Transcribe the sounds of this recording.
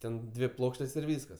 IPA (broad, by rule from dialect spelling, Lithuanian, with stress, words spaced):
ˈtʲɛn ˈdʲʋʲɪ ˈplˠoːkʃʲtʲeːs ɪr ˈʋʲiːskɐs